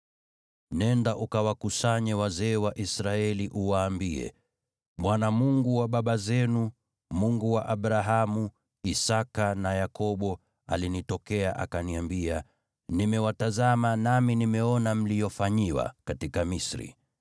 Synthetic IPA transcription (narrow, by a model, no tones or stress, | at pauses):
nɛndaʔukawakusaɲɛwazɛːwaʔisɾaɛliʔuwaːmbiɛ̰ | ɓwanamuŋɡuwaɓaɓazɛnu | muŋɡuwaʔaɓɾaɦamu | isakanajakʰɔɓɔ | alinitɔkɛaʔa̰kaniambia | nimɛwatazamanaminimɛɔnam̩lijɔfaɲiwa̰katikamisɾḭ